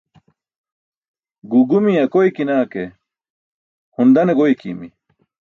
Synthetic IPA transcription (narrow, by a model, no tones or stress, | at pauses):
ɡuɡumiɐkojkinaːke | hund̪ɐneɡojkḭmi